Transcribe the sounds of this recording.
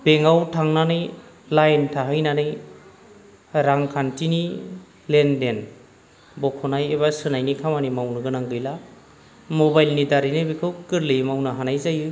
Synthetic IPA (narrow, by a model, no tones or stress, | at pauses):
b̥eŋawtʰaŋnanɯj | lajntʰaɦɯjnanɯj | ɾaŋkʰantini | lenden | bɔkʰɔnajeβasɯnajnikʰamanimawnɯɡɯnaŋɡɯjla | mobajlnidaɾinɯbikʰɯwkɯɾlɯjmawnaɦanajzajɯ